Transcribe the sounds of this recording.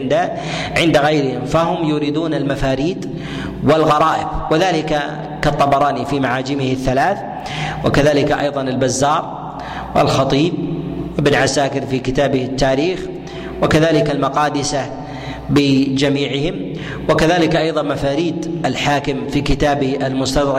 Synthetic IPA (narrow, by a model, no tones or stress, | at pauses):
nd̪a | ʕɪnd̪aɣajɾɪhɪmfaɦʊmjʊɾiːd̪uːnalmafaːɾiːd̪ | wɪlɣɑɾˤɑːʔɪbwɪðaːlɪka | kɑt̪ˤːɑbɑɾˤɑːnifimaʕaːd͡ʒɪmɪhɪθːalaːθ | wa̰kaðaːlɪkaʔɑ̰jðˤɑnalbazːɑːɾˤ | wɪ̰lxɑt̪ˤiːb̚wʔɪbnʕasaːkɪɾfiːkɪt̪aːbɪhɪt̪ːaːɾiːx | wɪkaðaːlɪkalmɑqɑːd̪ɪsa | bɪd͡ʒamiːʕɪhɪm | wakaðaːlɪkʔɑjðˤɑnmafaːɾiːd̪ʔalħaːkɪmfiːkɪt̪aːbɪhʔalmʊst̪ad̪ɾɑ